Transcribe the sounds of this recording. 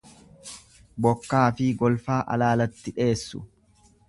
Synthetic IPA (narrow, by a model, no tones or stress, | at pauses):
bɔkːaːfɪɡɔlfaːʔɐ̰laːlɐt̪ːɪᶑe̞ːsːʊ̰